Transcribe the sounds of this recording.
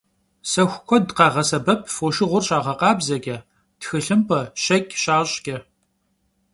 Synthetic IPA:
sɐxʷʊkʷʰɔdqɑːʁɐsɐbɐpʰfoːʃɪʁʷʊrɕʼaːʁɐqɑːbzɐɡʲʼɐ | txɨɬɨmpʰɐɕɐkʲʼɕaːɕʼɡʲʼɐ

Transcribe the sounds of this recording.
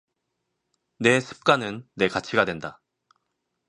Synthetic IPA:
ne̞sʰɯ̥p̚k͈anɯnːe̞kat͡ɕʰiɡadwe̞nda

